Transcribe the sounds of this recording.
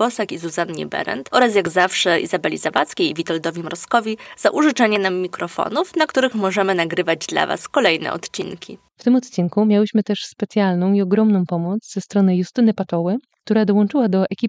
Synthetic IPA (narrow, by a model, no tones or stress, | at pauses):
b̥ɔsɛkizuzanɲɛ̰bɛ̰ɾɛ̰nt̪ɔɾas̬jaɡzafʂɛḭzabɛlʲizava̰t̪skʲejvʲit̪ɔld̪ɔvʲimɾɔskɔvʲiz̥aʔuʐɨt͡ʂɛɲɛnamːʲikɾɔfɔ̰nufnakt̪uɾɘxmɔʐɛmɘnaɡɾɘvad͡ʑd̪la̰va̰skɔlɛjnɛ̰ɔ̰t̪t͡ɕḭnkʲḭ | ft̪ɘmɔt̪t͡ɕinkumʲjawɘɕmɘt̪ɛʂspɛt̪sʲjalnɔ̃w̃iɔɡɾɔmnɔ̃w̃pɔmut̪zzɛst̪ɾɔnɘjust̪ɘnɘpat̪ɔwɘkt̪uɾad̪ɔwɔnt͡ʂɘwad̪ɔʔɛkʲip